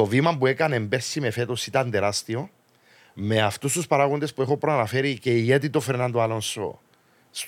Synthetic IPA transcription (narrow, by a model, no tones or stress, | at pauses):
ovimampuekanembeɾsːimefet̪osit̪and̪eɾast̪io̞ | meaft̪ust̪uspaɾaɣond̪espuexo̞pɾoanafeɾiceiet̪it̪ofeɾnand̪oalo̞nso̰ | s